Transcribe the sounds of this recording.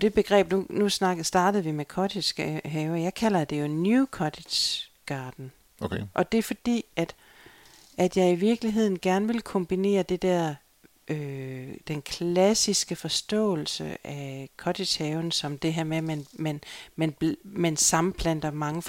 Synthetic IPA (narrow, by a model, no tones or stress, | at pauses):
d̥e̝b̥e̝ɡ̥ʁɛ̰ːb̥nunusnɑɡsd̥ɑ̈ːd̥əð̞̩ˠʋimekʰɒdi̥ɦɛʊɐjɑ̈ɪkʰæl̰ɐd̥e̝jo̝nukʰɒ̽d̥e̥ | ɡ̥ɑ̈ːd̥n̩ | oʔɒ̽d̥e̝ɐfɒ̽d̥ḭːæd̥ | ʔæd̥jɑ̈ɪiʋiɐɡ̥liɦe̝ð̰ˠn̩ɡ̥æɐnəʋe̝lkʰɒ̽mb̥ine̝̰ːɐd̥e̝d̥æɐ̰ | ʔød̥enkʰlæsisɡ̥əfɒ̽sd̥ɔ̰̽ːl̩səʔækʰɒ̽d̥e̥ɕhɛːʊnsɒ̽md̥e̝ɦæɐ̰memænmænmænmænsɑ̈m̩pʰlæn̰d̥ɐmɑ̈ŋəf